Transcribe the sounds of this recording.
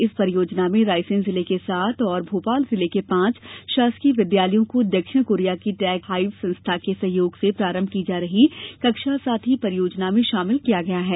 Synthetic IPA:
ɪspɐɾɪjoːd͡ʒnamẽɾaːɪsɪ̃nzɪlekesaːt̪ʰɔːɾbʱoːpaːlzɪlekepãːt͡ʃʃaːskiʋɪd̪jaːləjõkod̪ɐkʃɪɽkoːɾijakiʈɛːkɦaːɪʋsɐ̃nst̪ʰakesɐɦjoːɡsepɾaːɾə̃mbʱkid͡ʒaːɾɐɦikɐkʃasaːt̪ʰɦipɐɾɪjoːd͡ʒnamẽʃaːmɪlkijaɡɐjaɦɛː

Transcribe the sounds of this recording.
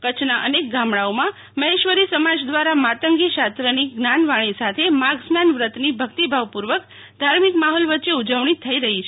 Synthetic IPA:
kət͡ʃʰnaʔənek̚ɡamɽaomã | məɦeʃʋəɾisəmad͡ʒd̪ʋaɾamat̪əŋɡiʃast̪ɾəniɡnanʋaɽ̃isat̪ʰemaɡsnanʋɾət̪nibʱəkt̪ibʱaʋpuɾʋək | d̪ʱaɾmikmaɦɔlʋətːʃeud͡ʒəʋɳit̪ʰːəiɾəɦit͡ʃʰ

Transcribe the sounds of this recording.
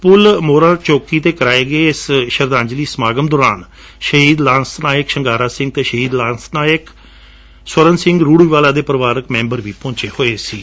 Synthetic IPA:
pʊlmoːɾãːt͡ʃoːkiːt̪eːkəɾaːeːɡeːɪsʃəɾd̪ãːɲd͡ʒliːsmaːɡəmd̪oːɾaːn | ʃəɦiːd̪laːnsnaːjɪkʃəŋɡaːɾaːsɪ̃ŋɡ̚t̪eːʃəɦiːd̪lãːnsnaːɪk | səɾənsɪ̃ŋɡɾuːɽiːʋaːlaːd̪eːpəɾəʋaːɾəkmɛ̃ːmbəɾʋiːpɔ̃ːɲt͡ʃeːhoːeːsiː

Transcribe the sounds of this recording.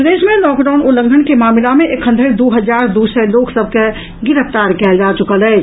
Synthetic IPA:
d̪eʃmenɔːkɖaʊnulə̃ŋɡʱənkemaːmilameʔekɦənd̪ʱəɾd̪uɦəd͡ʒaɾd̪usəloksəb̚ʱke | ɡɪɾəft̪aɾkɛːld͡ʒat͡ʃukəlɛ

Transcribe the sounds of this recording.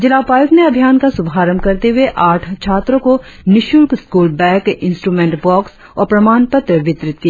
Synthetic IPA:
d͡ʒɪlaːpaːjʊkneɐbʱjaːnkasʊbʱaːɾəmkɐɾt̪eɦʊeʔaːʈʰt͡ʃʰaːt̪ɾõko | nɪʃʊlkskuːlbɛ̃ːkɪ̃nsʈɾuːmẽːɳʈbɔːks | ɔːɾpɾɐmaːnpət̪ɾəʋɪt̪ɾɪt̪kijaː

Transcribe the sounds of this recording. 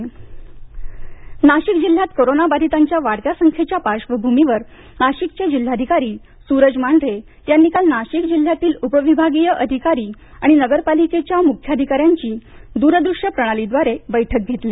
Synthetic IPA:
naɕikd͡ʑil̤jat̪koɾonabad̪ʱit̪aɲt͡ɕjaʋaɽkjasəŋkʰjet͡ɕjapaʂʋəbʱumiʋəɾ | naɕikt͡ɕed͡ʑil̤ːad̪ʱikaɾiː | suɾəd͡ʑmaɳɖ̪ʱɾe | janːikalnaɕikd͡ʑil̤ːjat̪iːlupəʋibʱaɡijəʔəd̪ʱikaɾiː | aɽ̃inəɡəɾpaliket͡ɕjamukʰjad̪ʱikaɾjaɲt͡ɕiːd̪uɾəd̪ɾuʂjəpɾəɽ̃alid̪ʋaɾebəjʈʰək̚ɡʱet̪li

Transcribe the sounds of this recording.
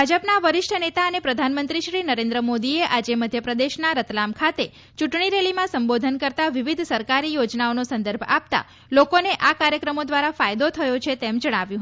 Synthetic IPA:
bbʱad͡ʒəpnaʋəɾɪʃʈʰənet̪aənepɾəd̪ʱanmənt̪ɾiʃɾinəɾẽnd̪ɾəmod̪ieʔad͡ʒeməd̪ʱjəpɾəd̪eʃnaɾət̪lamkʰat̪e | t͡ʃuʈɳ̃iɾelimãsəmbod̪ʱənkəɾt̪aʋiʋid̪ʱsəɾkaɾijod͡ʒnaonosə̃nd̪əɾbʱa̰p̚t̪a̰ | lokoneʔakaɾjəkɾəmod̪ʋaɾafajd̪ot̪ʰəjot͡ʃʰet̪emd͡ʒəɽ̃aʋjũ

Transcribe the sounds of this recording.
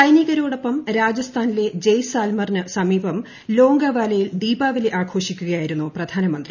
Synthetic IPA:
t͡ɕɐjniɣɐɾoːɽopːɐmɾaːd͡ʑɐst̪ʰaːnile̞d͡ʑejsaːlmɐrnɨsɐmiːbʱɐm | lo̞ːŋɡɐʋaːlɐjild̪iːbaːʋileʔaːkʰo̞ːʂikʲːuɣɐjaːjiɾunːuprɐd̪ʱaːnɐmɐnd̪ri

